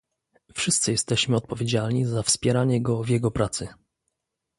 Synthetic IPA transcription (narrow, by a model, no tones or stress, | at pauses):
fʂɘst̪sɘjɛst̪ɛɕmɘɔt̪̚pɔvʲjed͡ʑalɲizafspʲjɛɾaɲɛɡɔvjɛɡɔpɾat̪sɘ